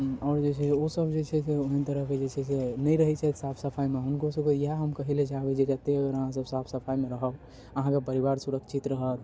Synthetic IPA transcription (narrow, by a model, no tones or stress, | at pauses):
ɔːɾd͡ʒet͡ʃʰɛosəbd͡ʒet͡ʃʰɛseoɦint̪əɾəɦked͡ʒet͡ʃʰɛsenəjɾəɦɛt͡ʃʰat̪sapʰsəpʰaimeɦunkosəbkejɦaɦəmkəɦilet͡ʃaɦbed͡ʒed͡ʒət̪eəɡəɾəɦãs̬əbsapʰsəpʰajmeɾəɦəb | əɦãkepəɾiβaɾsuɾəkt͡ʃʰit̪ɾəɦət̪